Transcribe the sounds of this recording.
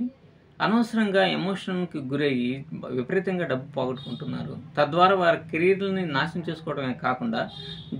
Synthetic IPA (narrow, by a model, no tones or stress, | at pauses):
ɐ̰nɐʋɐsɐɾɐŋɡaːḛmoːʂɐnlkiɡuɾe̞ːjiʋipɐɾiːt̪ɐŋɡaːɖɐbːupoːɡɐʈːukuɳʈunːa̰ːɾṵt̪ɐd̪ʋaːɾaːʋaːɾikeɾiːɐɾlɐninaːʃɐmt͡ʃe̞ːsu̥kɔːɐɽɐmeːkaːkuɳɖaː